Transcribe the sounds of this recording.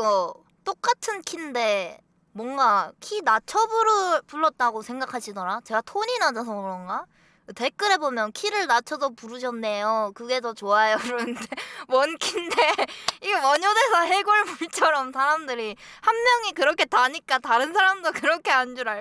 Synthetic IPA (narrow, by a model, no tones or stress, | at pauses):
ɡʌ | t͈ok͈atʰɯnkʰinde̞ | mwʌŋɡakʰinat͡ɕʰʌbɯɾɯpuɭːʌt̚t͈aɡosʰe̞ŋɡakʰaɕʰidʌɾat͡ɕe̞ɡatʰoɲinad͡ʑʌsʰʌɯɾʌnɡa | te̞k͈ɯɾe̞bomjʌnkʰiɾɯɭnat͡ɕʰʌsʰʌpuɾɯɕʰʌnːe̞jokɯɡe̞tʌt͡ɕoajoɾnɯndemʌnkʰinde̞iɡemʌɲode̞sʰʌɦe̞ɡoɭbuɭt͡ɕʰʌɾʌmsʰaɾamdɯɾi | hanːjʌŋikɯɾʌkʰe̞taɲik͈ataɾɯns̬ʰaɾamdokɯɾʌkʰe̞and͡ʑuɾa